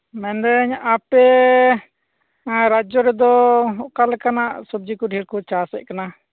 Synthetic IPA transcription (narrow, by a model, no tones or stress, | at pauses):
mɛnd̪ɛɲʔapɛ | ɾad͡ʒɔɾɛd̪ɔɔʔkalɛkanaʔsɔb̚d͡ʒikɔɖʱiɾkɔt͡ʃasɛ̰ʔ̚kana